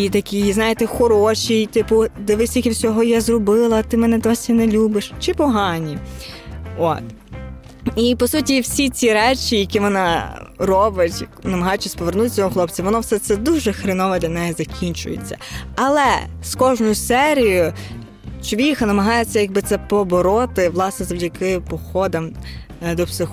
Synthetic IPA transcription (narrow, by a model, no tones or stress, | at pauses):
it̪ɐkʲijznɑjet̪ɛxɔɾɔʃʲijt̪ɪpʊd̪ɛʋɪsʲikʲiwsʲɔɦɔjazrɔbɪlˠɐt̪ɪmɛnɛd̪ɔsʲinelʲubɪʃt͡ʃɪpɔɦɑnʲi | ɔ̰t̪ | ipɔsutʲiwsʲit͡sʲiɾɛt͡ʃʲijɐkʲiʋɔnɑrɔbɪtʲnɐmɐɦɑjʊt͡ʃːɐsʲpɔʋernut̪ɪt͡sʲɔɦɔxlˠɔpt͡sʲɐʋɔnɔwsɛt̪sɛd̪uʒɛxɾɪnɔʋɛd̪lʲɐnɛjɛzɐkʲʰinʲt͡ʃʊ̰jḛt͡sʲːɐ̰ɐlˠɛskɔʒnʊjʊsɛɾʲijʊ | t͡ʃɔʋʲixɐnɐmɐɦɑjet͡sʲːɐjɐɡ̚bɪt̪sɛpɔbɔɾɔt̪ɪʋlˠɑsnɛzɐʋdʲɐkɪpɔxɔd̪ɐm | d̪ɔpsɪx